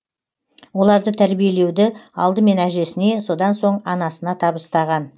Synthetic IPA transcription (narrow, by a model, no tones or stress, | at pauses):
wo̞lˠɑɾd̪ət̪ʰæɾbije̞le̞wd̪ɪɑ̰lˠd̪əme̞næʒe̞sɪne̞so̞d̪ɑnso̞ɴɑnɑsənɑt̪ʰɑbəst̪ɑʁɑn